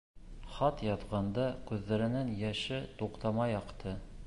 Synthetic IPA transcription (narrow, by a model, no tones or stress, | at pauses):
χɑt̪jɑt̪ʁɑnd̪ɑkʉðːæɾɘ̆nænjæʃɘt̪uqt̪ɑmɑjɒqt̪ʰɤ